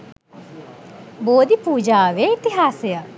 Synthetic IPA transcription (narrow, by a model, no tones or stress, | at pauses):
boːd̪ipuːd͡ʒaːʋeit̪iɦaːsejə